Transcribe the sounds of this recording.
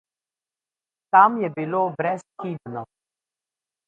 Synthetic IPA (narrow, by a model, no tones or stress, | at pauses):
t̪amjɛbiloːbɾɛsxid̪nɔ